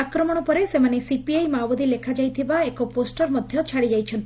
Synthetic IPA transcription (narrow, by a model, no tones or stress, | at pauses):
akɾɔmɔɽ̃ɔpɔɾesemanesipiajmabɔd̪ilekʰad͡ʒajt̪ʰibaekɔposʈɔɾmɔd̪ʱjɔt͡ʃʰaɽid͡ʒajt͡ʃʰɔnt̪